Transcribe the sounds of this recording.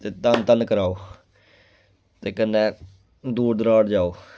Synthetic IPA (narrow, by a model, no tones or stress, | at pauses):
t̪eːt̪ənt̪ənkəɾaːoː | t̪eːkənːeː | d̪uːɾd̪əɾaːɽd͡ʒaːoː